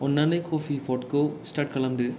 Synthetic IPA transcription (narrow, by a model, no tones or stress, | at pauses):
ɔnːɐnɐɪkʰoːfipoːʈkosʈaːʈkɐlɐmd̪ɯ